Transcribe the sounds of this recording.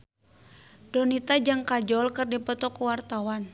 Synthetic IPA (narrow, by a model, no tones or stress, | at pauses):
dɔnit̪ad͡ʒaŋkad͡ʒɔlkɨrdipɔt̪ɔkuwart̪awan